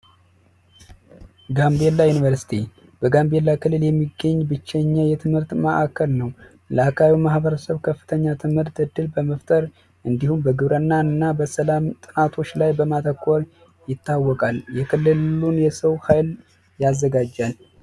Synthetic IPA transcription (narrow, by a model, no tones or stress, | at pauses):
ɡambelːajunivəɾsi̥t̪ʰi | b̥əɡambelːakʰɨlːɨljɛmːiɡːəɲːbɨt͡ʃːɛɲːəjɛt̪ʰɨmhɨɾt̪məʔakʰːəlnəw | ləakʰawimahbəɾəsəβkʰəfːɨ̥t̪ʰəɲːat̪ʰɨmhɨɾt̪ːɨd̪ːɨlbəməft̪ʼəɾ | ʔɨnd̪ihumbəɡɨβɾənːaɨnːabəsəlamt̪ʼɨnat̪ʰo̞t͡ʃːlajbəmat̪ʰəkʰʷʼːoɾ | jɪt̪ʰːawːɔkʼaljɛkʰɨlːɨlunjɛsəwhajl | jazːəɡad͡ʒːan